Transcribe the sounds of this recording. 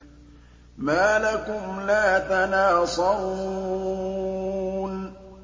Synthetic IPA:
maːlakʊmlaːt̪anaːsˤɑɾu | n

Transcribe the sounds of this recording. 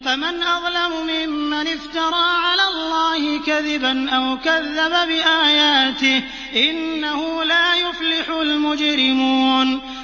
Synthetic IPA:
famanʔɑðˤlamʊmɪmːanɪft̪ɑɾˤɑːʕalaːlˤːaːhɪkaðɪbanʔawkaðːababɪʔaːjaːt̪ɪh | ʔɪnːahʊlaːjʊflɪħʊlmʊd͡ʒɾɪmuːn

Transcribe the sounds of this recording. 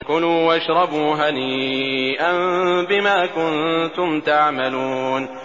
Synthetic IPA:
kʊnuːwʔaʃɾˤɑbuːɦaniːʔanbɪmaːkʊnt̪ʊmt̪aʕmaluːn

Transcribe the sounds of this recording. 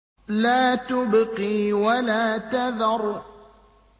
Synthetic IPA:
laːt̪ʊbqiːwalaːt̪aðɑɾˤ

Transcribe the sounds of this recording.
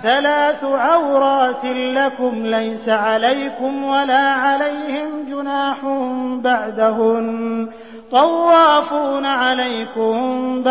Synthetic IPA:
θalaːθʕawɾɑːt̪lakʊmlajsaʕalajkʊmwalaːʕalajhɪmd͡ʒʊnaːħʊnbaʕd̪aɦʊm | t̪ˤɑwːɑːfuːnaʕalajkʊmb

